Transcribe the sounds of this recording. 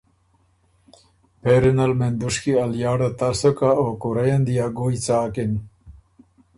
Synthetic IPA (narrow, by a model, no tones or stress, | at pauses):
peɾɪnalmend̪uʂkialjɑːɽat̪asokaokuɾajand̪ijaɡujt͡saːkin